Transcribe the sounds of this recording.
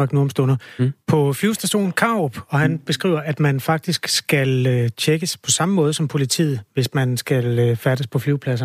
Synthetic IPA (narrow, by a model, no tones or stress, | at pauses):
ɑ̈ɡ̥noɐmsd̥ɔnɐpʰɒ̽fliʊsd̥æɕo̝̰ːn̩kʰɑ̈ob̥ɒ̽hænb̥e̝sɡ̥ʁḭːʊ̰ɐʔæd̥mænfɑ̈ɡ̥̚d̥isɡ̥sɡ̥ælt͡ɕʰeɡ̥əspʰɒ̽sɑ̈məmɔ̽ːð̞ˠəsɒ̽mpʰo̝lit͡sʰḭːð̞̩ˠʋe̝smænsɡ̥æløfæd̥əspʰɒ̽fliʊpʰlæsɐ